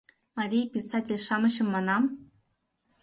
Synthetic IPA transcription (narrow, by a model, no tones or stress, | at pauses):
mɑɾʲijpʲisɑtʲelʲʂɑmɤ̆ɕɤ̆mːɑnɑm